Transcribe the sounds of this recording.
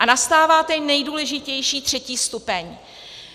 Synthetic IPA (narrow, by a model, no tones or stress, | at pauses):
ʔanast̪aːvaːt̪ɛnɛjduːlɛʒɪcɛjʃiːt̪r̝̥ɛciːst̪upɛɲ